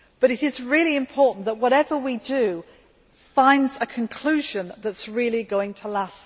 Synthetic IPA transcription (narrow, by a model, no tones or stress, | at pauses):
b̥ʌɾɪɾɪzɹɪəlˠiɪ̃mpʰɔˑʔn̩ðəʔwɒɾɛvəwidə | fãɪ̃ndzəkʰə̃nkʰl̥ʉːʒə̃nðətsɹɪlˠiɡoʊɪ̃ŋtʰəlas